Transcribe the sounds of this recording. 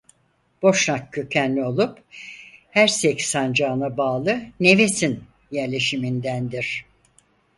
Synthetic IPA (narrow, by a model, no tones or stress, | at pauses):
b̥o̞ʃnakkːøcʰænlʲio̞lˠup | hæɾsɛcsand͡ʒaːnabaːlˠɯne̞vesin | jæɾlʲe̞ʃimind̪ænd̪iɾ̥